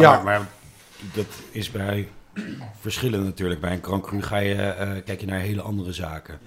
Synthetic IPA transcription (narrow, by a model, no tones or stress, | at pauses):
jamaːɹ | dɑtɪsbɛj | v̥əɹsχɪlənnatyːɹləɡ̚bɛjənkrɑŋkryχaːjəkɛjkjənaːɹɦejləʔɑndərəzaːkə